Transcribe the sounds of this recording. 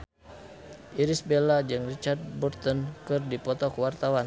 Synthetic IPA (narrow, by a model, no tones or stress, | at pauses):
ʔiɾisbelad͡ʒɨŋrit͡ʃard̚bɔrt̪ɔnkɨrdipɔt̪ɔkəwart̪awan